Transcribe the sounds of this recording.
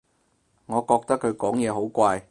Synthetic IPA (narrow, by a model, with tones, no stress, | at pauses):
ŋɔː˨˧kɔː˧k̚t̪ɐ˥kʰɵ˨˧ɥkɔː˨˥ŋjɛː˨˧ɦo˨˥wkʷaː˧j